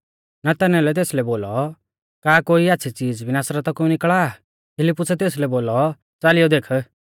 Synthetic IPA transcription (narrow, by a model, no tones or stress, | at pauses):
nat̪ɛnɛ̃lɛt̪̬eːslɛboːlɔ | kaːkoːiaːtːsʰit͡siːd͡zbʱinaːsɾat̪ɔkunɪkɭaː | pʰɪlɪpːʊsɛt̪eːslɛboːlɔ | t͡saːlɪjɔd̪eːkʰ